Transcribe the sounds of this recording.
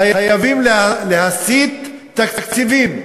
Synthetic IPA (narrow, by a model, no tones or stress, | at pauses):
ajajavimlaleɦasit̪ː | akkt͡sivim